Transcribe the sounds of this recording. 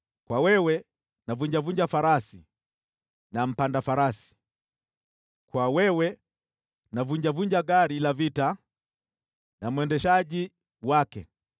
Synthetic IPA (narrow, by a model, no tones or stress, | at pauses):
kwawɛwɛ | navuɲd͡ʒavuɲd͡ʒafaɾasi | nam̩pandafaɾasi̥ | kwawɛwɛ | navuɲd͡ʒavuɲd͡ʒaɡaɾilavita | nam̩wɛndɛʃaɟi | wakɛ